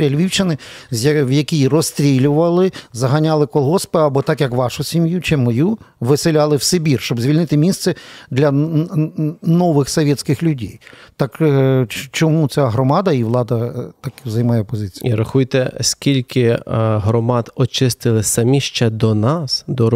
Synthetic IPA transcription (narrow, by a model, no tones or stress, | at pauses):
ɾʲɐlʲʋʲiwt͡ʃɪnɪzʋjɐkʲijrɔst̪ɾʲilʲʊʋɐlˠɪzɐɦɐnʲɑlˠɪkɔlˠɦɔspɛɐbɔt̪ɑkjɐkʋɑʃʊsʲimjut͡ʃɪmɔjuʋɪsɪlʲɑlˠɪwsebʲirʃt͡ʃɔbzʲʋʲilʲnɪt̪ɪmʲist̪sɛd̪lʲɐ | nɔʋɪxsɔʋʲjɛtʲsʲkɪxlʲʊdʲɛjt̪ɑk | t͡ʃɔmut͡sʲaɦɾɔmɑd̪ɐiʋlˠɑd̪ɐt̪ɑkzɐjmɑjɛpɔzɪt͡sʲi̥jiɾɐxujt̪ɛsʲkʲilʲkɪɦɾɔmɑd̪ɔt͡ʃɪst̪ɪlˠɪsɐmʲiʃt͡ʃɛd̪ɔnɑsd̪ɔ